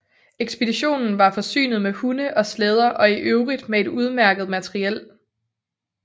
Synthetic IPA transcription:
eɡ̥sb̥e̝d̥iɕo̝̰ːnn̩ʋɑ̈fɒ̽sy̰ːnð̞̩ˠmehunəʔɒ̽slɛð̞ˠɐʔɒ̽iʔøʊʁid̥mee̝duð̞ˠmæɐɡ̥ð̞̩ˠmæt͡sʰʁiel̰

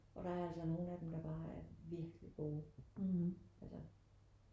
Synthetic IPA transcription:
ʔɒ̽ɾ̥ɑ̈æɐælsɒno̝ːn̩æd̥emd̥ɑ̈b̥ɑ̈ːæɐʋiɐɡ̥liɡ̥o̝̰ː | ʔælsɐ

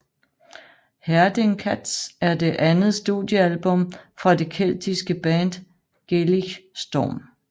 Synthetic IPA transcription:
hæɐd̥eŋkʰæd̥sæɐd̥e̝ʔænð̩ˠsd̥uðˠjəælb̥ɔ̽mfʁɑ̈d̥e̝kʰel̰d̥ʰisɡ̥əb̥ænd̥ | ɡ̥eliɡsd̥ɒ̰ːm

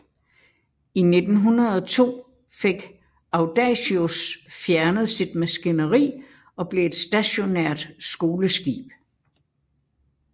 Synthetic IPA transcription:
ine̝d̥n̩ɦunɐð̞ˠɒ̽t͡sʰo̝̰ː | feɡ̥ | ʔɑ̈ʊd̥ɛɕiosfjæɐnəð̞̩ˠsid̥̚mæsɡ̥inəʁḭː | ɒ̽b̥le̝e̝d̥sd̥æɕo̝neɐ̰d̥sɡ̥o̝ːləsɡ̥ḭːb̥

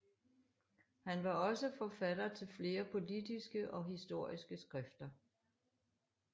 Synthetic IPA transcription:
hænʋɑ̈ɒ̽səfɒfæd̥ɐt͡sʰe̝lfle̝ːɐpʰo̝lid̥isɡ̥əʔɒ̽ɦisd̥o̝ɐ̰isɡ̥əsɡ̥ʁɛfd̥ɐ

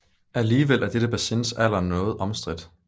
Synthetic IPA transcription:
æliːʋel̰ʔæɐd̥eɾ̥əb̥æsensæl̰ɐnɔ̽ːð̩ˠʔɒ̽msd̥ʁid̥

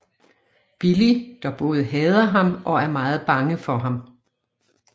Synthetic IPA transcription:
b̥ilid̥ɑ̈b̥ɔ̽ːð̞ˠɦɛːð̞ˠɐɦɑ̈mʔɒ̽æɐmɑ̈ːð̞̩ˠb̥ɑ̈ŋəfɒ̽ɦɑ̈m

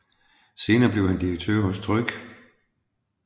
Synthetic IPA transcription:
se̝ːnɐːb̥le̝ʊhænd̥iʁɐɡ̥̚t͡sʰøɐ̰ɦɔ̽st͡sʰʁœɡ̥

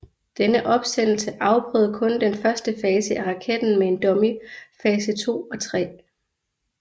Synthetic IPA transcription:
d̥enəʔɒ̽b̥sen̰l̩səʔɑ̈ʊb̥ʰʁœ̰ːðˠɐkʰɔ̽nd̥enfɶɐsd̥əfɛːsəʔæʁɑ̈kʰed̥n̩mee̝nd̥ɒ̽mifɛːsət͡sʰo̝̰ːɒ̽t͡sʰʁɛ̰ː

